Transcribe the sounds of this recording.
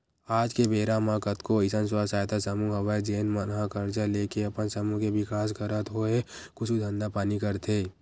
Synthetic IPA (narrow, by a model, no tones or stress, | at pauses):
aːd͡ʒkebeːɾamãkət̪koɪsənsaːsaːjt̪asəmuɦɐʋajd͡ʒeːnmənɦãkəɾt͡ʃaleːkeɐpənsəmũkeʋɪkaːskəɾət̪ɦoekʊt͡ʃʰud̪ʱɐ̃nd̪apaːnikəɾt̪ʰeː